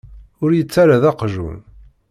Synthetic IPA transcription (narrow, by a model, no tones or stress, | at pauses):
ʊɾjət͡sːaɾaðɑqʒṵn